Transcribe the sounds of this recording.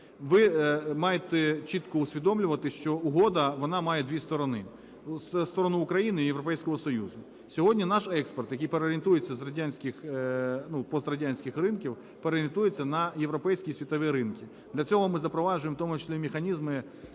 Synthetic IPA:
ʋɪmɑjet̪ɛt͡ʃit̪kɔʊsʲʋʲid̪ɔmlʲʊʋɐt̪ɪʃt͡ʃɔʊɦɔd̪ɐʋɔnɑmɑjed̪ʲʋʲist̪ɔɾɔnɪ | sst̪ɔɾɔnuːkɾɐjinɪijeʋɾɔpɛjsʲkɔɦɔsɔjuzʊ | sʲɔɦɔdʲnʲinɑʃɛkspert̪jɐkijpeɾeɔɾʲent̪ujet͡sʲːɐzrɐdʲanʲsʲkʲɪxnupɔst̪rɐdʲanʲsʲkɪxɾɪnkʲiw | peɾeɔɾʲent̪ujet͡sʲːɐnɐjeʋɾɔpɛjsʲkʲisʲʋʲit̪ɔʋɛɾɪnkʲi | d̪lʲɐt͡sʲɔɦɔmɪzɐpɾɔʋɑʒʊjemwt̪ɔmʊt͡ʃɪ̥sʲlʲimʲɪxɐnʲizmɪ

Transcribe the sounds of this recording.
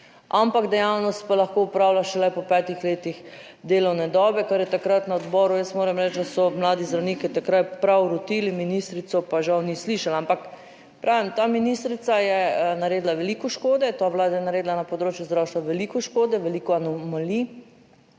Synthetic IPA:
ampakd̪ɛjawnɔst̪palɐxkoupɾaːwlaʃɛlɛpɔpɛːt̪ixleːt̪ix | d̪eːlɔwnɛd̪ɔːbɛkaɾjɛt̪akɾat̪naɔd̪bɔːɾujəst̪moːɾɛmɾɛt͡ʃd̪asɔmlaːd̪izd̪ɾawnikit̪akɾat̪pɾawɾɔt̪iːliminist̪ɾiɔpaʒawnisliʃalaampak | pɾʔaʋɛmt̪aːminist̪ɾit̪sajɛnaɾeːd̪laʋɛliːkɔʃkoːd̪ɛt̪aːʋwlaːd̪ajɛnaɾeːd̪lanapɔd̪ɾoːt͡ʃjuzd̪ɾawst̪ʋaʋɛlikɔʃkoːd̪ɛʋɛliːkɔanɔmali

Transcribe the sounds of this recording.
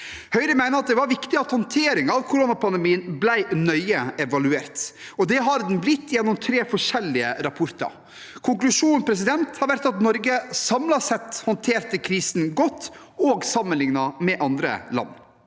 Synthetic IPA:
hœʏɾəmæɪəɾɑt̪̚d̪ɛʋɑɾʋɪkt̪ɪɑt̪hɔnt̪ʰeːɾɪŋɑʋkʰʊɾoːnɑpɑnd̪ɛmiːənblæɪnœʏəɛʋɑlʉeːɾt̪ɔd̪ɛɦɑɾd̪ɛnblɪt̪ːjɛnːɔmt̪ʰɾeːfɔʂɛlːɪəɾɑpʰʊɾt̪ɑ̰ɾ | kʰʊŋklʉʂuːn̩pʰɾɛs̬ɪd̪ɛnt̪hɑɾʋæɾt̪ɑt̪nɔɾɡəsɑmlɑsɛt̪ːhɔnt̪ʰeːɾt̪əkʰɾiːsn̩ɡɔt̪ː | oːɡsɑmːənlɪŋnɑmɛʔɑnd̪ɾə̰lɑ̰nː

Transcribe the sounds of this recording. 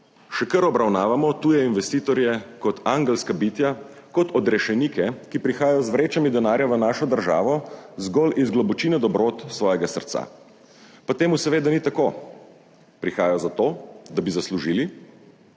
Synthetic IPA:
ʃɛkəɾɔbɾawnaːʋamɔt̪uːjɛinʋɛst̪iːt̪ɔɾjɛkɔt̪aŋɡɛlskabit̪ja | kɔt̪ɔd̪ɾɛʃɛnikɛkipɾixaːjajɔzʋɾeːt͡ʃamid̪ɛnaːɾjaʋənaːʃɔd̪əɾʒa̰ːʋɔzɡɔlizɡlɔbɔt͡ʃinɛd̪ɔbɾot̪sʋɔːjɛɡasə̰ɾt̪sa̰ | pat̪eːmusɛʋeːd̪anit̪akoː | pɾixaːjɔzat̪oːd̪abizasluʒiːli

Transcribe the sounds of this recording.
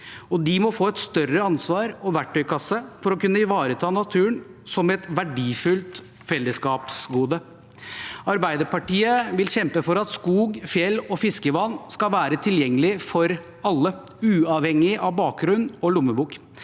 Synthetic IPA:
ɔd̪ɪmɔfoːɛt̪st̪œɾəɑnsʋɑːɾɔʋæʈʰːœʏkʰɑsːəfɔɾɔkʉnːəɪʋɑːɾət̪ʰɑːnɑt̪ʰʉːnsɔmɛt̪ʋæɖiːfʉlt̪ | fɛlːəskɑːpsɡuːd̪ə | ɑɾbæɪd̪əɾpɑʈiːəʋɪlɕɛmpəfɔɾɑt̪skuːɡfjɛlːɔfɪskəʋɑnskɑʋæːɾət̪ʰɪljɛŋːəlɪfɔɾ | ɑlːə | ʉːɑʋhɛŋːɪʔɑʋbɑːk̚ɡɾʉnːɔlʊmːəbuːk

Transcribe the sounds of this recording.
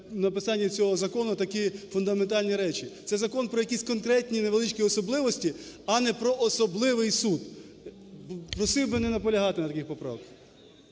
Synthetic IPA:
nɐpɪsɑnʲːɐt͡sʲɔɦɔzɐkɔnʊt̪ɐkʲifʊnd̪ɐment̪ɑlʲnʲiɾɛt͡ʃit̪sɛzɐkɔnpɾɔjɐkʲisʲkɔnkɾɛtʲnʲineʋelˠɪt͡ʃkʲiɔsɔblˠɪʋɔsʲtʲiɐnɛpɾɔʔɔsɔblˠɪʋɪjsud̪ | pɾɔsɪwbɪnɛnɐpɔlʲɐɦɑt̪ɪnɐt̪ɐkʲɪxpɔpɾɑ̰wkɐ̥x

